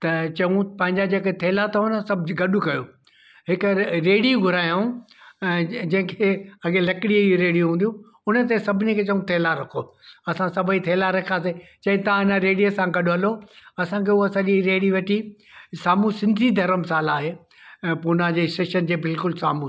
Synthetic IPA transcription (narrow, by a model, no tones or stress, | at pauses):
t̪ɐt͡ɕɐũpɐ̃ɦɪ̃ɲd͡ʑad͡ʑeːket̪ʰeːlat̪ʰɐɦʊnsɐbʱɡɐɗʊkɐjoː | ɦɪkɾeːɽijũɡʱʊɾaːjũ | d͡ʑɐ̃ɦɪ̃kʰeɐɡelɐkɪɽijəiuɾeːɽijũɦũːnd̪ijũ | ʊnə̆t̪̬esɐbʱɪnekʰeːt͡ɕɐũt̪ʰeːlaɾɐkʰoɐsãsɐbʱəit̪ʰeːlaɾɐkʰaːset͡ɕɐ̃ɦɪ̃t̪ɐʋãɦɪnəɾeːɽijəsãɡɐɗʊɦɐloɐsãkʰeːuɐsãːd͡ʑiɾeːɽiʋɐʈʰi | saːmũsɪ̃nd̪ʱid̪ʱɐɾəmsaːlaːɦeː | pʊnad͡ʑeːsʈeːʃənd͡ʑeːbɪlkʊlsaːmu